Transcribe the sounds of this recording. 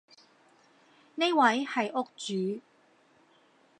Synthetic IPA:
ne˥wɐ˨˥jhɐ˨jʔʊ˥k̚t͡ʃyː˨˥

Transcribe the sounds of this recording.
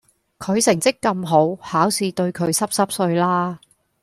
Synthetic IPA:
kʰɵ˨˧ɥsɪ˨˩ŋt͡sɪ˥kːɐ˧mɦo˨˥whaː˨˥wsiː˨˧t̪ɵ˧ɥkʰɵ˨˧ɥsɐ˥p̚sɐ˥p̚sɵ˧ɥlaː˥

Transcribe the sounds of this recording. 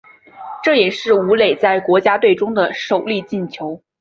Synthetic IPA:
ʈ͡ʂɤ˥˩jɛ˨˩ʂɻ̩˥˩u˧˥le˨˩ɪt͡sa˥˩ɪkwɔ˧˥t͡ɕja˥t̪we˥˩ɪʈ͡ʂʊ˥ŋd̪ə˨ʂo˨˩ʊli˥˧t͡ɕi˥˩nt͡ɕʰjo˧˥ʊ

